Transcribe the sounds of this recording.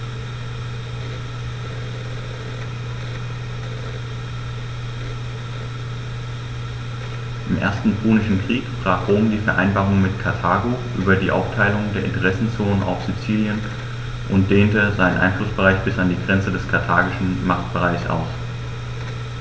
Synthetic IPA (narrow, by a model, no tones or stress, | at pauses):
ʔɪmʔḛːɐstn̩pʁuːnɪʃn̩kʁ̥iːkb̥ʁ̥aːχʁoːmdiːfɛɐʔa̰ɪnbaːʁʊŋmɪtkʰaɐtʰaːɡoʔyːbɐdiːʔa̰ʊftʰaɪlʊŋdeːɐʔɪ̰ntəʁɛsn̩t͡soːnənʔa̰ʊfz̥it͡siːljən | ʔʊnt̚d̥eːntəzaɪnənʔa̰ɪnflʊsb̥əʁaɪçb̥ɪsandiːɡʁɛnt͡sədɛskʰaɐtʰaːɡɪʃn̩maχt̚b̥əʁaɪçsʔa̰ʊs